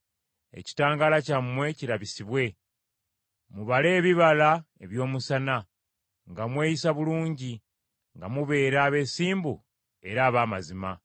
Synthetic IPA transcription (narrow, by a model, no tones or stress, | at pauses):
e̞̰ci̥taːŋɡalacamːwe̞ciɾaβisiβwe̞ | muβale̞ːβiβalae̞βjo̞ːmusana | ŋɡamwe̞ːjisaβuluːɲɟi | ŋɡamuβe̞ːɾaːβe̞ːsiːmbu | e̞ɾaːβaːmazima